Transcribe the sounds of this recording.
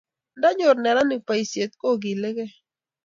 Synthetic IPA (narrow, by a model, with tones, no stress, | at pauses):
nda˦ɲʊ˨ɾnɛ˨ɾa˦nɪ˨pa˨i˨sje˨t̪̚ko˦˨ɡi˨le˦ɡe˦